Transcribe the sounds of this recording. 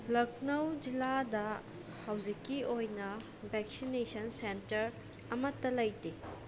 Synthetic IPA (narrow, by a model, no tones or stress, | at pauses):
lɐk̚nɐwd͡ʒiladɐ | hɐwd͡ʒikːiojnɐ | bʱɛk̚sinesɐnsentɐɾ | ɐmɐtːɐlɐjte